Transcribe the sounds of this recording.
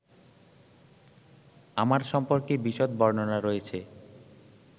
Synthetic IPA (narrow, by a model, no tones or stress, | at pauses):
amaɾʃɔmpoɾkebiʃot̪̚bɔɾnonaɾojet͡ɕʰe